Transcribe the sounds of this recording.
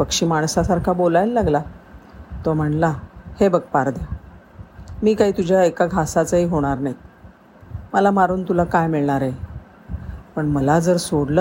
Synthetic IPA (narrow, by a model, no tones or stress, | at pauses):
pəkʂiːmaɳsasaɾkʰabolajlːaɡla | t̪ɔm̤əɳlahebəɡpaɾd̪ja | miːkaɦiːt̪ud͡ʑʱjaekaɡʱasat͡səɦiːɦoɽ̃aɾnaɦi | məlamaɾuːnt̪ulakajmiɭɳ̃aɾe | pəɳməlad͡zəɾsoɽlə